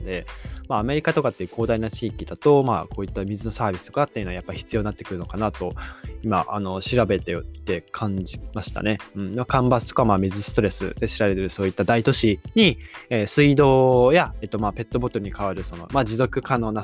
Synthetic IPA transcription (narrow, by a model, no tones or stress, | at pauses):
d̪e̞maːme̞ɾʲikat̪o̞kat̪ːe̞iɯ̟ko̞ːd̪ainat͡ɕiːkʲid̪at̪o̞ma̰ːko̞ːit̪ːamʲizɨno̞saːbʲisɨ̥t̪o̞kat̪ːe̞iɯ̟noajapːaiçi̥t͡sɨjo̞ːninat̪ːekɯɾɯ̟no̞kanat̪o̞ima̰ʔano̞ɕiɾabe̞t̪e̞oit̪e̞kʰãɲd͡ʑimaɕi̥t̪a̰ne̞ɯ̟̃ɴmakãmbasɨ̥t̪o̞kamaːmʲizɨsɨ̥t̪o̞ɾe̞sɨ̰d̪e̞ɕiɾabe̞t̪eɾɯ̟so̞ːit̪ːad̪ait̪o̞ɕiɲ̟ieːsɨid̪o̞ːjaet̪ːo̞maːpe̞t̪ːo̞bo̞t̪o̞ɾɯ̟ɲ̟ikaβaɾɯ̟so̞no̞̰maːd͡ʑizo̞kɯ̟kano̞ːna